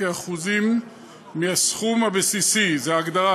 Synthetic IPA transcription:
eaχuzimː | iasχumhabesisizeaːɡd̪aʁa

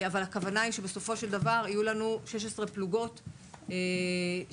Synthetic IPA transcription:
avalakavanaiʃe̞beso̞fo̞ʃe̞ld̪avaʁijulanuʃe̞ʃ̬esʁepluɡo̞t

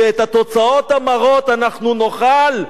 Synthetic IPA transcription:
eet̪hat̪o̞t͡sao̞t̪amaʁot̪anaχnuno̞χal

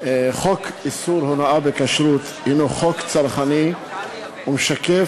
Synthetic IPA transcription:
χokisuɾhonaʔabekaʃɾut̪hinoχokt͡saɾχani | umʃake

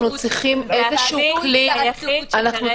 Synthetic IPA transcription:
nut͡sʁiχimezeʃuuklianaχnu

